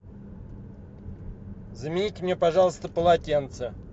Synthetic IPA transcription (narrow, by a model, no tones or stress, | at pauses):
zəmʲɪnʲitʲɪmnʲepɐʐɑlˠəst̪əpəlˠatʲent̪sə